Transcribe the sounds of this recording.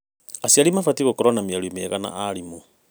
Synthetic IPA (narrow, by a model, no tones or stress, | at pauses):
asiaɾimafatiɣokoɾwanamiaɾumeaɣana̰ʔaɾimo